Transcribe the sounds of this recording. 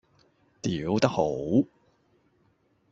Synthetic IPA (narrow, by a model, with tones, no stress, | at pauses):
t̪iː˨˥wt̪ɐ˥k̚ho˨˥w